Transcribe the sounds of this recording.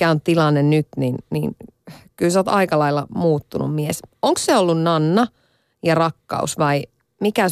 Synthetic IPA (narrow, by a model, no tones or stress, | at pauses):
æontt̪ilɑnːennyt̪ninnḭːnkylsoːt̪ɑikɑlɑilːɑ̰muːt̪ːunṵmmiesoŋksseolːunnɑnːɑ | jɑrɑkːɑ̰usʋɑi | mikæ